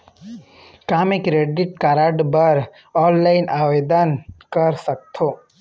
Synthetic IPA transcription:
kamekɾeɖiʈ̚kaɾaɖbəɾ | ɔːnlaɪnʔaʋed̪ankəɾsək̚t̪ʰo

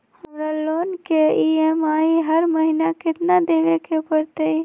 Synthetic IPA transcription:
həmɾalonkeiemaːiɦəɾməɦinakɪt̪nad̪eʋekepəɾt̪əj

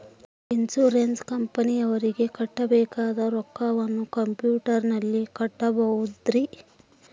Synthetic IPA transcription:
insuɾenskɐmpɐniɐʋɐɾiɡe̞kɐʈːɐbɛːkaːd̪ɐɾɔkːaʋɐnːukɐmpjuːʈɐɾnɐlːikɐʈːɐbɐwud̪ɾi

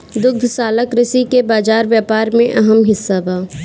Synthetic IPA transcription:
d̪ʊɡ̚d̪ʱsaːləkɾɪsikebaːd͡ʒaːɾʋjaːpaːɾmẽʔɐɦəmɦɪsːabaː

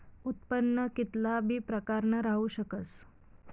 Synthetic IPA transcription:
ut̪pənːəkit̪labʱiːpɾəkaɾɳəɾaɦuɕəkət͡s

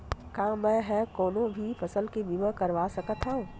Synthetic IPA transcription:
kãːmɛ̃ːɦɛkoːnõbʱifɐsəlkebimə̃kɐɾʋaːsɐkət̪ɦã

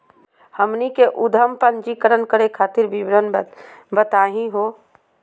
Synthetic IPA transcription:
həmnikeʔʊd̪ʱəmpənd͡ʒikəɾənkəɾekʰaːt̪ɪɾbibɾənbbət̪aːɦĩɦoː

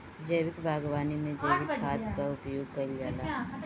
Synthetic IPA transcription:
d͡ʒəjʋɪkbʱaːɡwaːnimẽd͡ʒəjʋɪɦaːt̪ʰkaʊpjoːɡ̚kɐld͡ʒalaː

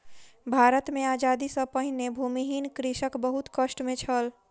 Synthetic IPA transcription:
bʱaɾət̪mead͡ʒad̪isə̃pəɦinebʱumiɦinkɾiʃəkbəɦut̪kəʃʈmẽt͡ʃʰəl

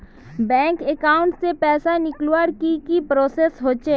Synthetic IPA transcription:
bɛ̃ːŋkekaːʊ̃ɳʈsepɛːsanɪklwaːɾkikipɾoːsesɦoːt͡ʃe

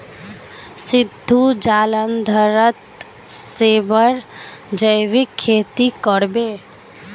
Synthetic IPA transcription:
sɪd̪ʱːud͡ʒaːlənd̪ʱəɾət̪ | seːbəɾd͡ʒəjʋɪkʰːeːt̪ikəɾbeː

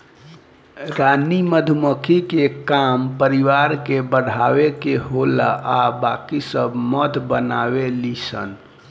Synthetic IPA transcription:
ɾaniməd̪ʱuməkʰikekampəɾiʋaɾkebəɽ̤ʱawekeɦola̰ʔabakisəbmət̪bənawelisə̰n

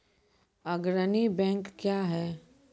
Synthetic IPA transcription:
ɐɡɾənibɛ̃ːŋkːjaɦɛː

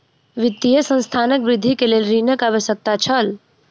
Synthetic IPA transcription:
ʋɪt̪ːijəsə̃nst̪ʰanəkbɾɪd̪ʱːikelelɾinəkaʋəʃək̚t̪at͡ʃʰəl

